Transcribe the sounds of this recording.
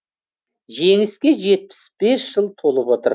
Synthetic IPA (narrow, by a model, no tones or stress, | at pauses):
ʒeŋɪskʲe̞ʒe̞t̪̚pɪ̥sb̥e̞sʒ̥əlˠt̪ʰo̞lˠəpwo̞t̪əɾ